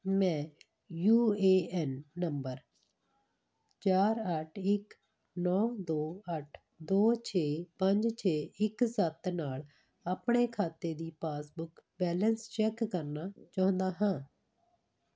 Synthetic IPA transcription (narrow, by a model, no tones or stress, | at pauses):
mɛ̃ː | juːeːɛːnːəmbəɾ | t͡ʃaːɾəʈʰɪk | nɔːd̪oːəʈʰ | d̪oːt͡ʃʰeːpəɲd͡ʒt͡ʃʰeːɪksət̪naːl | apɳeːkʰaːt̪eːd̪iːpaːsbʊkbɛːlənst͡ʃɛːkːəɾnaːt͡ʃaːʊ̃nd̪aːɦãː